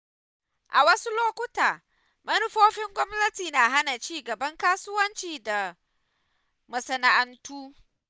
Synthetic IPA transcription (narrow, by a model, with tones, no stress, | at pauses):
ʔa̰˨wɐ˦su˦loː˦kʷʊ˦taː˨ | mɐ˦nʊ˦ɸoː˦ɸɪ˦ŋɡʷɔ˦mnɐ˦tiː˨naː˨ɦa˦na˨t͡ʃiː˦ɡɐ˨bɐ˦ŋkaː˦sʊ˦wɐ˦nt͡ʃiː˨da˨ | mɐ˨sɐ˨na˨ʔɐ˦ntuː˦